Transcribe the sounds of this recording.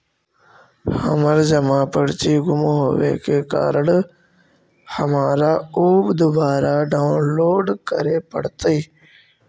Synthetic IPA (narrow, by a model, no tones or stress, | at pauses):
hɐ̰məɾd͡ʑɐmaːpəɽt͡ɕiːɡʊmɦoʋḛːkeka̰ːɾəɽ | hɐmaːɾaːuːbd̪ʊbaːɾaːɖaːʊnloːɖkəɾeːpə̰ɽt̪əiː